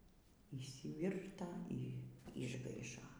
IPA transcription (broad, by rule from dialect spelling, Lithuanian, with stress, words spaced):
iːʃʲsʲɪˈʋʲɪrtɐ iː ɪʒˈɡɐɪʃoː